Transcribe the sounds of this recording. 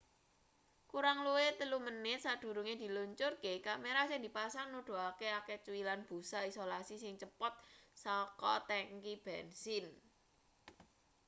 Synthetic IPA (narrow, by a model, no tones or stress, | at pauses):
kuɾaŋluwet̪əlumənɪt̪̚sad̪̥ṳɾuŋed̪̥i̤luɲt͡ʃʊrkekameɾasɛŋnd̪i̤pasaŋnuɖ̪̥o̤akeaket͡ʃuwilanb̥ṳsaisolasisɪŋt͡ʃəpɔt̪̚sɔkɔt̪ɛŋkib̥ɛnsɪn